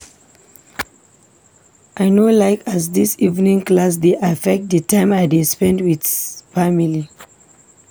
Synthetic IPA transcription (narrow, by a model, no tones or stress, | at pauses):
ʔajnolaɪkasdisivnĩŋklas̬deʔafɛk̚t̚dətãɪ̃maɪdespɛ̃ndwidfamili